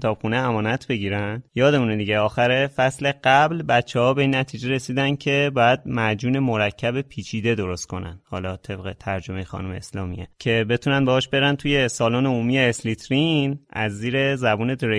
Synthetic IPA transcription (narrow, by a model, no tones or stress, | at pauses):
t̪ʰɒːb̥xuːneæmɒːnæt̪ʰbe̞ɟiːɾænd̪̥jɒːd̪e̞muːned̪iːɟeɒːxæɾe̞fæsle̞ɢæblbæt̪t͡ʃʰːehɒːbe̞iːnːæt̪ʰiːd͡ʒeɾe̞siːd̪ænd̪̥cʰe̞bɒːjæd̪̚mæd͡ʒuːne̞mo̞ɾæcʰːæbe̞pʰiːt͡ʃʰiːd̪e̞d̪o̞ɾo̞st̪̚kʰo̞næ̰nd̪hɒ̰ːlɒːt̪ʰe̞bɣe̞t̪ʰæɾd͡ʒo̞mejexɒ̰ːnumeːslɒ̰ːmḭecʰe̞be̞t̪ʰuːnænd̪bɛɒːʃbe̞ɾænt̪ʰuje̞sɒːloːneuːmijeːslit̪ʰɾinʔæ̰zːiːɾe̞zæbuːne̞d̪ɾe